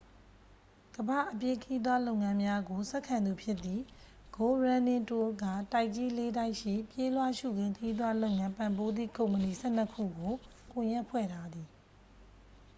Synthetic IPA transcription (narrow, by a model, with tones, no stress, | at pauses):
ɡ̥əba̰˦˨ʔəpje˦kʰəji˦d̪wa˦lõ˦ʊ̃˨ŋã˦mja˦ɡo˨sɛ˦ʔkʰã˨nd̪u˨pʰjɪ˦t̪ːi˨ | ɡ̥o˨ɹã˨nɪ̃˦˨to˦ɡa˦˨ta˦ɪʔt͡ɕi˦le˦da˦ɪʔʃḭ˦˨pje˦lwa˦ʃṵ˦˨ɡɪ̃˨ŋkʰəji˦d̪wa˦lo˦ʊŋã˦mpã˨mbo˦d̪ðḭ˦˨kõ˨ʊ̃mpə˨ni˨sʰɛ˦˨n̥ə˦kʰṵ˦˨ɡo˨ | kʊ̃˨jɛ˦ʔpʰwɛ̰˦˨ɾa˨d̪i˨